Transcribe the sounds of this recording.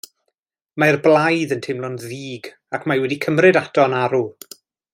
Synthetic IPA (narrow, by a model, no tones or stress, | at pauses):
maɛrblˠajðəntʰɪmlˠʊnðiːɡ | akʰmawɛdikʰəmrɨdatʰɔnaɾu